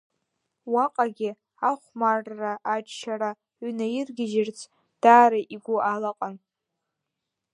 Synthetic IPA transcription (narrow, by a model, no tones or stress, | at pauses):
waqʼaɡʲɪ | aχʷmarːaʔat͡ʃʼʃʰaɾa | ɥʷnajɪrɡʲɪʒɪrt͡sʰ | d̥aːɾaʔiɡʷʊalaqʼan